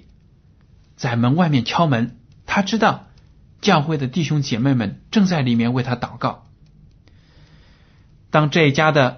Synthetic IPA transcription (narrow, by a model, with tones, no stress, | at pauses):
t͡sa˥˩ɪmə˧˥nwa˥˧ɪmjɛ˥˩nt͡ɕʰjɑ˥ʊmə˧˥n | t̪ʰa˥ʈ͡ʂɻ̩˥t̪ɑ˥˩ʊ | t͡ɕjɑ˥˧ʊxwe˥˩ɪd̪ə˩t̪i˥˩ɕʊ˥ŋt͡ɕjɛ˨˩me˥˩ɪmə˨nʈ͡ʂɤ˥˧ŋt͡sa˥˩ɪli˨˩mjɛ˥˧nwe˥˩ɪt̪ʰa˥t̪ɑ˨˩ʊkɑ˥˩ʊ | t̪ɑ˥ŋʈ͡ʂɤ˥˩i˧t͡ɕja˥d̪ə˨